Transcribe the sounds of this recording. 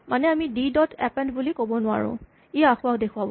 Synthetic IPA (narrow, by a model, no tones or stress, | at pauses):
manɛamididɔtʰɛpɛntbulikobɔnʊa̰ɹʊ̰̃ | ijaaxʊwak̚dekʰʊwab